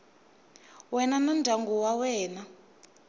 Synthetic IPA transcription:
wɛnanɔndʱaŋɡɔwawɛːna

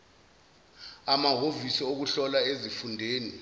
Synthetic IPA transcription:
amaɦovisiok̬uɬɔlaezifundʱeːni

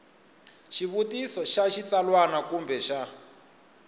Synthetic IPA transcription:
ʃiβutisɔʃaʃit͡salwanakumbʱɛʃa

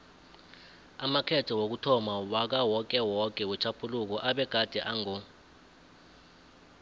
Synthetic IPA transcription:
amakʰɛtʰɔwok̬utʰɔmawak̬awɔk̬ʼɛwɔkʼɛwɛt͡ʃʰapʰuluk̬ɔʔaɓɛɡ̥ʱad̥ʱɛʔaŋɔ

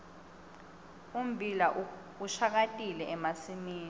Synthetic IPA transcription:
um̩bʱila | uʃak̬atʼilɛɛmasimiːni

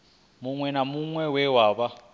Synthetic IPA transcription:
muŋwɛnamuŋwɛwɛwaːβa

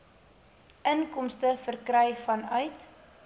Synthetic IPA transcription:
ʔənkɔmstəfərkrɛjfɐnœɥt

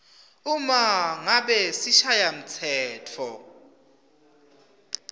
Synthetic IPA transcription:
umaŋaɓɛsiʃajam̩t͡sʰɛːtʰɔ

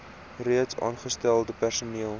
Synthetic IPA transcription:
riətsɑ̰ːnχəstælˠdəpærsuniəlˠ

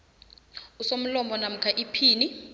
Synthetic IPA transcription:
usom̩lɔmbɔnam̩kʰaʔipʰiːni

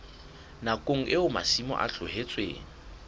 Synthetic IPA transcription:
nakʼoŋ̩ʔɪʊma̰simɔ̰ʔa̰ɬʰʊhet͡sʼwḛːŋ̩

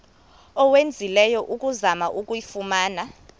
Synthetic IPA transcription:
ɔwend͡zʱilɛjɔʔukʼuzamaʔukʼujifumaːna

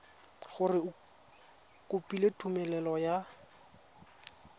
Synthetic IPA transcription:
χʊrɪ | kʊpʼiletʰʼumɛlɛlɔja

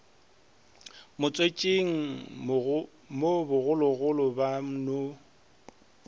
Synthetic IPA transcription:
mʊt͡sʼwet͡ʃʼeŋ̩ | mobʊɣʊlɔɣʊlɔbam̩no

